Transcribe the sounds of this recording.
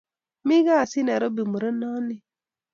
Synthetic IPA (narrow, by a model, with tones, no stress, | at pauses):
mi˦ɡa˦˨si˦nɛ˨ɾo˦bi˨mu˨ɾe˦nɔ˦ni˦